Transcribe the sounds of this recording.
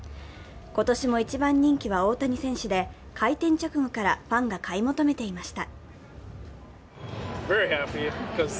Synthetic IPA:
ko̞t̪o̞ɕimo̞it͡ɕibãɲ̟ːĩŋkʲiβ̞ao̞ːt̪aɲ̟isẽ̞ɰ̃ɕɨd̪e̞ | kʰait̪ẽ̞ɲ̟t͡ɕokɯ̟mokaɾaɸãŋɡakaimo̞t̪o̞me̞t̪e̞imaɕi̥t̪a | vɛɹihæpikʰʌz̥

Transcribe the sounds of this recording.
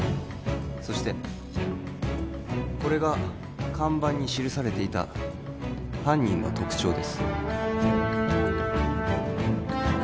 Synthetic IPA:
so̞ɕi̥t̪e̞ | ko̞ɾe̞ɡa | kʰãmbãɲ̟ːiɕiɾɯ̟saɾe̞t̪e̞it̪a̰ | hãɲ̟ːĩɰ̃βa̰t̪o̞kɯ̟̥t͡ɕo̞ːd̪e̞sɨ̥

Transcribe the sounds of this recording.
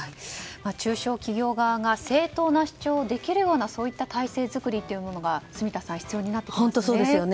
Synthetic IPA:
aimat͡ɕɨːɕo̞ːkʲiɡʲo̞ːɡaβaɡase̞ːt̪o̞ːnaɕi̥t͡ɕo̞ːd̪e̞kʲiɾɯ̟jo̞ːnaso̞ːit̪ːat̪ʰaise̞ːzɨkɯ̟ɾʲit̪ːe̞jɯ̟mo̞no̞ɡasɨmʲit̪asãɰ̃çi̥t͡sɨjo̞ːɲ̟inat̪ːe̥kõnossoːd̪ejon

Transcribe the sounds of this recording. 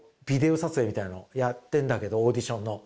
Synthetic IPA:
b̥ʲid̪e̞o̞sat͡sɨemʲit̪ainojat̪ːẽ̞nd̪ake̞d̪o̞ːd̪ʲiɕõ̞nːo̞

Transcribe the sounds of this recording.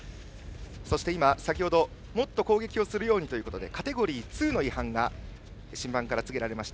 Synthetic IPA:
so̞ɕi̥t̪e̞imasakʲiho̞d̪o̞ | mo̞t̪ːo̞ko̞ːɡe̞kʲio̞sɨɾɯ̟jo̞ːɲ̟it̪o̞jɯ̟kot̪o̞d̪e̞̰kat̪e̞ɡo̞ɾʲiːt͡sɨːno̞ihãŋɡa | ɕĩmbãŋkaɾat͡sɨɡe̞ɾaɾe̞maɕi̥t̪aa

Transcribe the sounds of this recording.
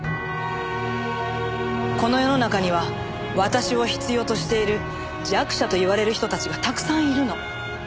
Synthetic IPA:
ko̞no̞jo̞no̞nakaɲ̟iβ̞a | βat̪aɕio̞çi̥t͡sɨjo̞ːt̪o̞ɕi̥t̪e̞iɾɯ̟ | d͡ʑiakɯ̟̥ɕat̪o̞iβaɾe̞ɾɯ̟çi̥t̪o̞t̪at͡ɕiɡat̪akɯ̟̥sãɰ̃iɾɯ̟no̞

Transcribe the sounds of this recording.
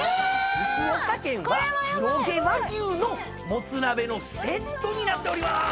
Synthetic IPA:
hɯkɯɾokakẽ̞ɰ̃βaçiɾo̞ɡe̞βaɡʲɯːno̞ | mo̞t͡sɨɾabe̞no̞se̞t̪ːo̞ɲ̟inat̪ːe̞o̞ɾima

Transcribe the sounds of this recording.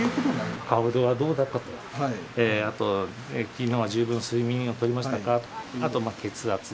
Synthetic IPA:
ɯkot̪onakʰaɯ̟d̪oβad̪o̞ːd̪ak̪ːat̪okaeːat̪o̞ | ekʲinːoβaʑɨːbɯ̃nsɨimʲĩɰ̃o̞t̪o̞ɾʲimaɕit̪akat̪o̥at̪o̞make̞t͡sɨat͡sɨ

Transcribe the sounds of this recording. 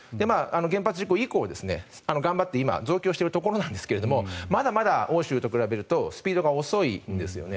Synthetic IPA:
d̪e̞maːano̞ɡẽ̞mpat͡sɨʑikoiko̞ːd̪e̞sɨne̞̰ano̞ɡãmbat̪ːe̞ima̰zo̞ːkʲo̞ːɕi̥t̪e̞ɾɯ̟t̪o̞ko̞ɾo̞nãnd̪eske̞ɾe̞d̪o̞mo̞mad̪amad̪ao̞ːɕɨːt̪o̞kɯ̟ɾabe̞ɾɯ̟t̪o̞sɨ̥pʲiːd̪o̞ɡao̞so̞ind̪e̞sɨjo̞̰ne

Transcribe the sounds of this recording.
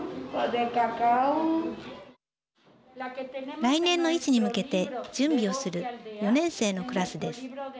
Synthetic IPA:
kod̪ekakaw | ɾainẽ̞nːo̞it͡ɕiɲ̟imɯ̟ke̞t̪e̞d͡ʑɨ̃mbʲio̞sɨɾɯ̟jo̞nẽ̞ɰ̃se̞ːno̞kɯ̟ɾasɨd̪e̞sɨ̥

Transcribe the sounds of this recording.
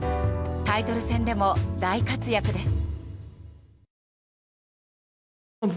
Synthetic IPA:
t̪ait̪o̞ɾɯ̟sẽ̞nd̪e̞mo̞d̪aikat͡sɨjakɯ̟d̪e̞sɨ̥

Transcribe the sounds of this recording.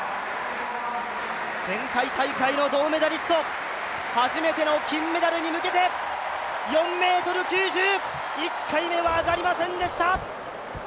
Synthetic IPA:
d͡zẽ̞ŋkaikaikaino̞d̪o̞ːme̞d̪aɾʲisɨ̥t̪o̞ | haʑime̞t̪e̞no̞kʲĩmːe̞d̪aɾɯ̟ɲ̟imɯ̟ke̞t̪e̞ | jõ̞mːe̞ːt̪o̞ɾɯ̟kʲɨːʑɨː | ikʰːaime̞βaːɡaɾʲimasẽ̞nd̪e̞ɕi̥t̪a

